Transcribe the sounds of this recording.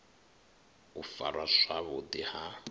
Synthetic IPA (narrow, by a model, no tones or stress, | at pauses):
ufa̰ɺwaʂaβʊd̪iha